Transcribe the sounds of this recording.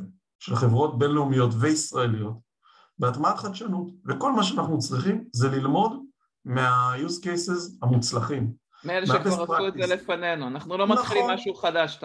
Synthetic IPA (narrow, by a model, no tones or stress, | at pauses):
ʃelχevʁo̞t̚be̞nleumijo̞tveisʁae̞lijo̞t | beatmatχadʃanutveko̞lmaʃeanaχnut͡sʁiχimzelilmo̞d | meajuzkejse̞zamut͡slaχim | meelemefepʁaeelefanenuanaχnulomailimːaʃuχadaʃ